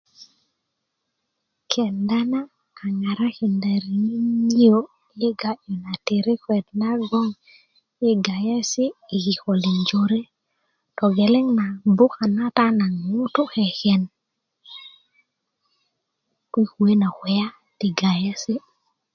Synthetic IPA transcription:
kʰɛ˨nda˦naː˦˨ | ŋa˨ɾa˦kɛ˨nda˨ɾi˨ŋi˦ɲi˦o˦ | je˦ɡa˦d͡ʒo˨na˨te˨ɾe˦kwɛ˨d̚na˦ɡɔ˦ŋ | je˦ɡa˨ja˦sɪ˦i˨ɡi˨kɔ˨li˨ɲd͡ʒo˨ɾe˦ | tɔ˨ɡɛ˨lɛ˦ŋna˨bʊ˦ka˨na˦ta˦na˨ŋŋu˦to˦ɛ˨kɛ˨n | kwi˦kwe˦na˨kwɛ˨ja˦ | tɪ˨ɡa˨ja˦sɪ˦

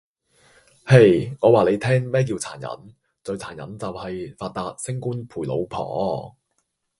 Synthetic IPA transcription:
he˨˧jŋɔː˨˧waː˨le˨˧jt̪ʰɛː˥ŋmɛː˥k̬i˧wt͡sʰa̰ː˨˩njɐ̰˨˥n | t͡sɵ˧ɥt͡sʰaː˨˩njɐ̰˨˥nt͡sɐ˨whɐ˨jfaː˧t̚t̪aː˧t̚sɪ˥ŋkuː˥npʰuː˨˩jlo̰˨˧wpʰɔ̰ː˨˩˦

